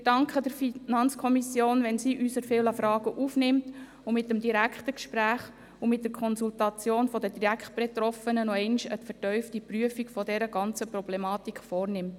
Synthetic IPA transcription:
ɪd̥ɑŋkχədəɾfinɑnt͡skʰɔmisjoːnʋɛnsiːʔyːsəɾfɪləfɾɑːɡ̥əʔuːfnɪmt | ʊmɪtːəmdiɾækʰχtəkʃpɾæːχ | ʊmɪt̚d̥əɾkʰχɔnsultɑt͡sjoːnfɔdədiɾækχt̚b̥et̪ɾɔfənənɔɛɪnʃətfəɾtœʏftipryəfiɡfɔdɛɾəɡ̥ɑnt͡səprɔblemɑːtikχfɔːrnɪmt

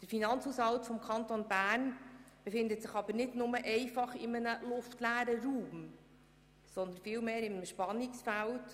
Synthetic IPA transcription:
d̥əɾfinɑnt͡shuːsɑltfɔmkʰɑnt̪onbæːrn | b̥efɪndətsɪχɑb̥əɾnɪtnʊməʔɛɪfɑχɪmənəlʊftlæːɾəɾuːm | sɔnd̪ənfɪːlmeːɾɪməʃpɑnɪksfælt

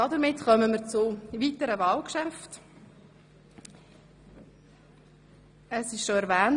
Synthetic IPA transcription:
ɑdəɾmɪtχœməməɾt͡sʊvitəɾəvɑːlkʃæft | əsɪʃʃoɛɾvæːn

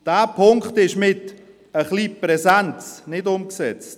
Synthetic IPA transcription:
d̥æːpʰʊŋkχtɪʃmɪt | əχlipɾɛsɛnt͡snɪdʊmksɛt͡st

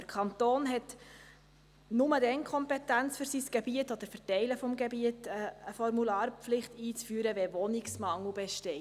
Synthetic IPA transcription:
əɾkʰɑnt̪oːnɦɛt | nʊmədɛŋkʰɔmpɛtænt͡sfyɾsisɡ̥ebiətɔd̥̪əɾfɛɾtɛɪləfɔmɡebiətəːfɔɾmulɑːɾpflɪχtiːt͡sfyːɾəʋɛʋɔniksmɑŋl̩bɛʃtɛ

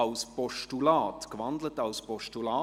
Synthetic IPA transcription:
ɑʊspɔʃtulɑːtkʋɑndlətɑwspɔʃtulɑː

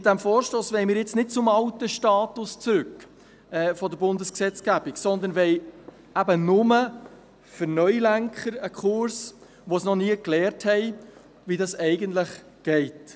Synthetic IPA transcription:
ɪt̚d̥̪æmfɔːɾʃtoːsʋɛɪmɪːɾjɪt͡snɪd̥̚t͡sʊmɑwtəʃtɑːt̪ʊst͡sɾʉk | ɛːfɔd̪əɾbʊnd̪əsksɛt͡sɡ̥æbiksɔnd̪ənʋɛɪ | æbənʊmə | fəɾnœʏlæŋkχəɾəkʰχʊɾs | ʋosnɔniəklɛːɾthɛɪ | ʋidɑsɛɪɡəntləχ | ɡ̥ɛɪt

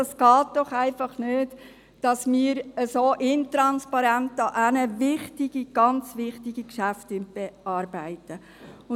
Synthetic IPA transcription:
ɑsɡ̥ɑːt̚d̥ɔχæɪfɑχnøːt | d̥ɑsmiːɾəsoːʔɪntɾɑnspɑɾæntɑʔænəvɪχtiɡ̥iɡ̥ɑnt͡sʋɪχtiɡikʃæftʏnt̚b̥eɑːɾbæɪtə | ʊ

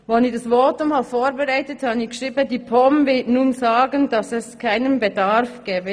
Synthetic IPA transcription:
vonidɑsvoːtʊmhafoːɾbɛʁaɪtəthɑnikʃʁiːbədiːpʰɔmvɪtnuːnzaːɡəndɑsɛskʰaɪnənbedɑʁfɡ̥ɛːbə

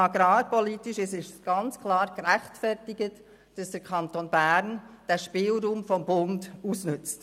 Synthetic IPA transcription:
ɑɡɾɑːpɔlitiʃɪsɪʃɡ̥ɑnt͡skʰlɑːɾɡɾæχtfɛɾtɪɡət | d̥ɑsd̥əɾkʰɑntoːnbæɾnd̥æʃpɪːlɾuːmfɔmbʊndusnʏt͡st

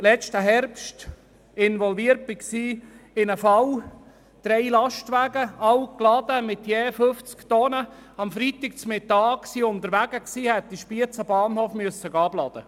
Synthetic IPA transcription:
lɛt͡ʃtəɦɛɾpʃt | ɪnʋɔlviəɾt̚b̥iksiːɪnəfɑw | d̥ɾɛɪlɑʃtʋæːɡəɑwklɑd̪̥əmɪt̪jeːføft͡skt̪ɔnəɑmfɾit̪ɪk̚t͡smɪtɑːksiːʊnt̪əɾʋæɡəksiːhɛt̪̚d̪iʃpiət͡səbɑːnhoːfmyəsːəɡɑblɑd̪ə̰

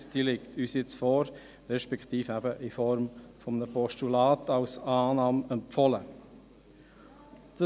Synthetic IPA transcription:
d̥iːlɪktʰyːsjɪt͡sfɔːɾ | ɾɛʃpɛktiːfæbəʔifɔɾmfɔmnəpɔʃtulaːtɑlsɑːnɑːmɛmpfɔlə | d̥

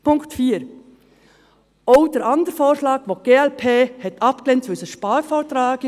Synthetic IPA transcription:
pʰʊŋktfiːɾ | oʊd̥ɛɾɑndəɾfoːʃlɑːɡʋoːɡ̥eːɛlpʰeːhɛt̪ʰɑpklɛntʋʏsəʃpɑːɾfoːɾtɾɑːɡɪ

